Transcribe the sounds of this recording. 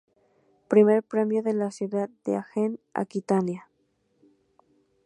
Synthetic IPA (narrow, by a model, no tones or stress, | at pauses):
pɾime̞ɾpɾe̞mjoðelasjuðat̪̚d̪eaxena̰kit̪anja